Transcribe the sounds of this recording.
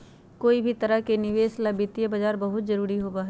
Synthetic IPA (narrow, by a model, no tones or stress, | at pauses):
koːibʱit̪ɐɾəɦkenɪʋeːslɐbɪt̪ijəbɐd͡ʒaːɾbɐɦʊt̪zɐɾuːɾiɦoːbaːɦɛ